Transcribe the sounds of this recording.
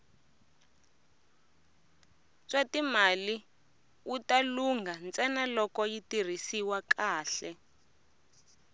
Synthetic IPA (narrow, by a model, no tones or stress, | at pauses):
t͡swatimali | utaluŋɡʱant͡sɛnalɔkɔjitir̤isiwakaːɬɛ